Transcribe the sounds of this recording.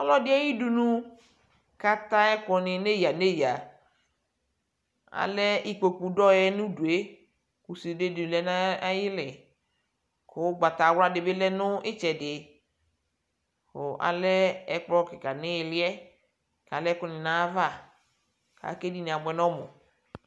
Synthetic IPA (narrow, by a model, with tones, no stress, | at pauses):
ɔ˦lɔ˦dɪ˦ɛ˦ji˦du˨nũ˦ | ka˦ta˦ɛ˦kɔ˨nɪ˨ne˦ja˨ne˦ja˨ | a̰˨lɛ˦ʔɪ˦k͡po˨k͡pu˨dɔ˦jɛ˦nʊ̃˦du˨e˦ | ku˨si˨de˦di˨lɛ˦na˦jɪ˦lɪ˨ | kʊ˨˦ɡ͡ba˨t̪a˨wa˦dɪ˨be˦lɛ˦nʊ˦ɪ˦t͡ʃɛ˨dɪ˨ | kʊ˨ʔa̰˨lɛ˦ɛ˦k͡plɔ˦kɪ˨ka˨nɪ˦ɪ˨lɪ˦ɛ˦ | ka˨lɛ˦kɔ˦nɪ˨nã˦va˦˨ | ka̰˨˦ke˦di˨nĩ˨a˨ɡ͡bɛ˨nɔ̃˦mʊ˨